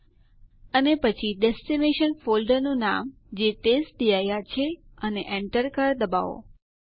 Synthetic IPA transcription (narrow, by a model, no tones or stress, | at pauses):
ənepət͡ʃʰiɖɛsʈimeʃənfolɖənuna̰m | d͡ʒeʈesʈ̚d̪ijajat͡ʃʰeəneʔɛɳʈəɾkaɾd̪əba̰ʋo̰